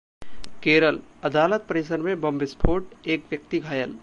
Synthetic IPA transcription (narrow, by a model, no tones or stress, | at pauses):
keɾələd̪alət̪̚pəɾesənmebəmbispʰoʈekʋjək̚t̪iɡʱajəl